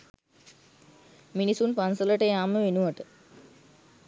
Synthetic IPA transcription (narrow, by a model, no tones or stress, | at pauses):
minisunpansələʈəjaːməʋenuʋaʈə